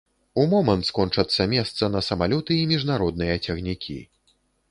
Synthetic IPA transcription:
umɔmɐnt̪skɔnt͡ʂɐt̪sːɐmʲɛst̪sɐnɐsɐmalʲɔt̪ɨimʲiʐnaɾɔd̪̚nɨjɐt͡sʲɐɣnʲikʲʰḭ

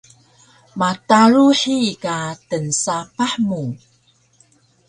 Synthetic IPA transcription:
mataɾuħikatənsapaħmu

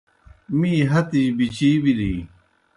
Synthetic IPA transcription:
miːɦɐt̪iɕbit͡ɕiːbili

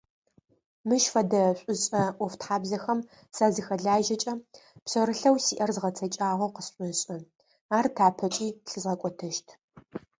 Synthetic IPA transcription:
mɨʃfɐdɐɕʷʼʊɕʼɐʔʷɔftħaːbzɐxɐm | saːzɨxɐɮaːʒɐt͡ʃʼɐpsɐɾɨɬɐwsiːʔɐrzʁɐt͡sʰɐt͡ʃʼaːʁʷɐqəsɕʷʼʊɕʼɐ | aːrtʰaːpʰɐt͡ʃʼiːɬɨzʁɐkʷʼɔtʰɐʃtʰ

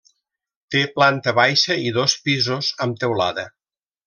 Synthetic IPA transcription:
t̪eplant̪əβajʃəiðospizozəmt̪ewla̰ðə

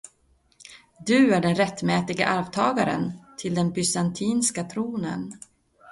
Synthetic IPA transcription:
d̪ɵæɖɛnɾɛt̪ːmɛːt̪ɪɡa̰ʔaɾvt̪ʰɑːɡaɾə̰nt̪ʰɪld̪ɛnbʏsant̪ʰiːnskat̪ʰɾuːnə̰n

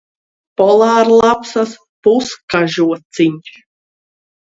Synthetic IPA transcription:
pɔlˠaːɾlˠapsas | puskaʒuɔt̪siɲ

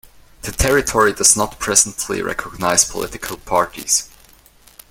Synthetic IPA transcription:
ðɨtʰɛɹɪtʰɔɹidʌznət̚pʰɹ̥ɛz̃n̩tʰlḭɹʔɛ̰kʰɔɡ̚naɪz̥pʰɔ̰lʔɪ̰tɪkʰəl̩ˠpʰɑɹɾḭz̥

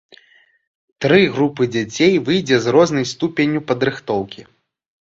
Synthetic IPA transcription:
t̪ɾɨɣɾupɨd͡zʲat͡sʲejvɨjd͡zʲɛzrɔznɐjst̪upʲenʲupɐd̪ɾɨxt̪ɔwkʲi

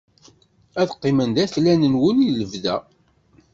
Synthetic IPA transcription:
æðqːimənd̪æθlænənwəniləvðæ

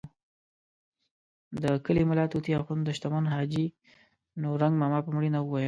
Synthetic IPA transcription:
d̪əkəlimɪlat̪ut̪iaxund̪əʃt̪amɑnɦɑd͡ʒi | noɾaŋɡmɑmɑpəmɽinawəwajəl

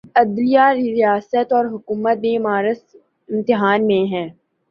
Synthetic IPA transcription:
ɐd̪lijaɾɪɾijaːsət̪ɔːɾɦʊkuːmət̪̚mẽmaːɾəs | ɪ̃mt̪ɪɦaːnmẽɦɛ̃ː

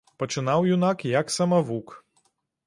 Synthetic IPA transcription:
pɐt͡ʃɪnawjunakjɐksɐmɐʋuk

